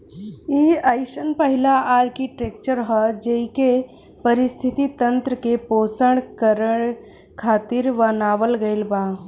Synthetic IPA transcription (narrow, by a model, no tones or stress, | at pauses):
iaɪʃənpəɦilaʔaːɾkiʈeːk̚t͡ʃəɾɦɔd͡ʒəike | pəɾɪst̪ʰit̪it̪ə̃nt̪ɾəkepoːsəɽkəɾəɳ | kʰaːt̪ɪɾʋənaːʋəlɡəɪlba